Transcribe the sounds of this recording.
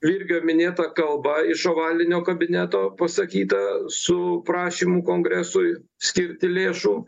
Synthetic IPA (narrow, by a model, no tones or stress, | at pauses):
ʋʲiːɾʲɡʲomʲɪnʲeːt̪ɐkɐlˠbɐɪʃoːʋɑːlʲɪnʲoːkɐbʲɪnʲæt̪oːpɐsɐkʲiːt̪ɐsʊpɾɑːʃʲiːmuːkoːŋɡɾʲæsʊɪ | sʲkʲɪɾʲt̪ʲɪlʲeːʃuː